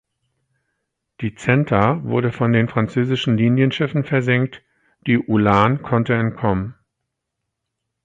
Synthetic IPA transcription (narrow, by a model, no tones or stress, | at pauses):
d̥iːt͡sɛntʰɐvʊɐɾəfɔndeːnfʁ̥ant͡søːzɪʃn̩liːnjənʃɪfn̩fɛɐzɛŋk̚t | d̥iːʔulaːnkʰɔntəɛntkʰɔmən